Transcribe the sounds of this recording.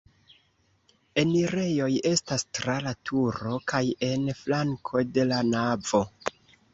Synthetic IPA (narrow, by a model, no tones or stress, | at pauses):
e̞niɾe̞jo̞je̞stastɾalatʰuɾo̞kaje̞nflaŋkʰo̞de̞lanav̥o̞